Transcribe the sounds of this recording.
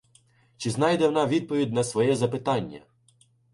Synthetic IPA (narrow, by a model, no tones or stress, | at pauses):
t͡ʃɪznɑjd̪ɛwɔnɑʋʲid̪̚pɔʋʲid̪ʲnɐsʋɔjɛzɐpɪt̪ɑnʲːɐ̰